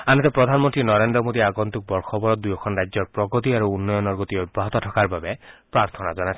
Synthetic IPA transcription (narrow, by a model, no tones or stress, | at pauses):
anɛt̪ɛpɾɔd̪ʱanmɔnt̪ɾinɔɾendɾɔmod̪iaɡɔnt̪uk̚bɔɾkʰɔbɔɾɔt̪̚d̪ujɔkʰɔnɹajzɔɹpɾɔɡɔt̪iaɾuunːɔjɔnɔɾɡɔt̪iɔjbːaɦɔt̪ɔtʰɔkaɾbabepɹaɾt̪ʰɔnazɔnajt͡ʃʰ